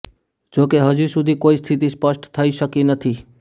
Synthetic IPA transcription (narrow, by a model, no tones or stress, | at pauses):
d͡ʒoːkeɦəd͡ʒisʊd̪ʱikoːist̪ʰɪt̪ispəsʈt̪ʰəiʃəkinət̪ʰiː